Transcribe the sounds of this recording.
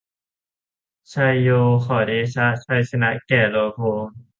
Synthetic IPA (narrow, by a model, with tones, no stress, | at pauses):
t͡ɕʰa˧jːoː˧xʰɔ˨˩deː˧˥t͡ɕʰa˦˥t͡ɕʰa˧˩jsʰa˧na˦˥kɛː˨˩loː˧pʰoː˧ŋ